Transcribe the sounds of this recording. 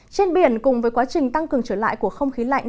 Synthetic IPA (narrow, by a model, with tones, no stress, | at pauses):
t͡ɕe˧nɓi˧˩ənkʊ˨˩ŋ͡mvəː˨˦jkwaː˨˦t͡ɕï˨˩ŋ̟t̪a˧ŋkɨ˨˩əŋt͡ɕəː˧˩la̰ː˧˨jku˧˩əxə˧wŋ͡mxi˨˦la̰˧˨jŋ̟